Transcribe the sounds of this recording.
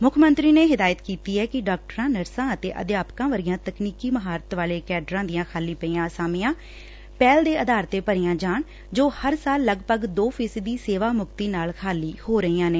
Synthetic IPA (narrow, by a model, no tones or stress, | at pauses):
mʊkʰmə̃nt̪ɾiːneːɦɪd̪aːjət̪kiːt̪iːɛːkɪɖaːk̚ʈəɾãːnəɾsãːət̪ḛːʔə̰d̪ɪjaːpkãːʋəɾɪjãːt̪əkniːkiːməɦaːɾət̪ʋaːleːkɛːɖɾãːd̪ɪjãːkʰaːliːpəiːãːsaːmɪjãː | pɛːld̪eːəd̪aːɾt̪eːpəɾɪjãːd͡ʒaːɳ | d͡ʒoːhəɾsaːlːəɡpəɡd̪oːpʰiːsd̪iːseːʋaːmʊkt̪iːnaːlkʰaːliːhoːɾəiːãːneː